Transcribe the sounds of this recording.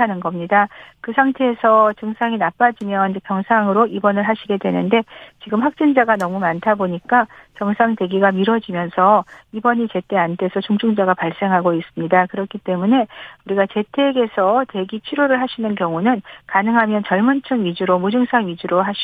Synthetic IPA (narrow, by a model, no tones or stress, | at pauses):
anɯnɡʌmɲidakɯsʰaŋtʰe̞ːsʰʌt͡ɕɯŋsʰaŋinap͈ad͡ʑimjʌnepjʌŋsʰaŋɯɾoibʌnɯɭɦaɕʰiɡe̞dwe̞nɯnde̞t͡ɕiɡɯmɸwak̚t͡ɕ͈ind͡ʑaɡanʌmumantʰaboɲik͈at͡ɕʌŋsʰaŋte̞ɡiɡamiɾʌd͡ʑimjʌnsʰʌibʌɲit͡ɕe̞t͈ʰe̞antʰe̞sʰʌt͡ɕuŋd͡ʑʰuŋd͡ʑaɡapaɭs͈e̞ŋɦaɡois͈ɯmɲidakɯɾʌkʰit͈e̞mune̞uɾiɡat͡ɕe̞tʰe̞ɡe̞sʰʌte̞ɡit͡ɕʰiɾoɾɯɭɦaɕʰinɯnkjʌŋunɯnkanɯŋɦamjʌnt͡ɕʌɭmɯnt͡ɕʰɯŋɥid͡ʑuɾomud͡ʑɯŋsʰaŋɥid͡ʑuɾoɦaɕ